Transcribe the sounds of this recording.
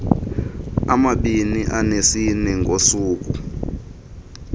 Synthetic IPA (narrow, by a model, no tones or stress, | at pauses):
amaɓiniʔanesinɛŋɡʱosuːk̬u